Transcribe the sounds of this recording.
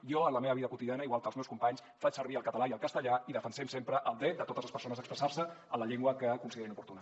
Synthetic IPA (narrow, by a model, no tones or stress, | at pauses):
jɔənləmeβəβiðəkut̪iðianəiɣwalˠkəlzmɛwskumpaɲs | fat͡ʃsəɾβ̞iəlˠkət̪əlaiəlˠkəst̪əʎaiðəfənsɛmsempɾəʔəlˠd̪ɾɛt̪̚d̪ət̪ot̪əzləspəɾsonəzðəkspɾəsaɾsəənləʎeŋɡwəkəkunsiðeɾinupuɾt̪unə